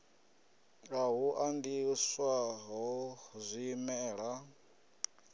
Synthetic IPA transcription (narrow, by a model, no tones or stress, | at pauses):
aɦuʔandiswaɦɔzʷiːmɛːɺa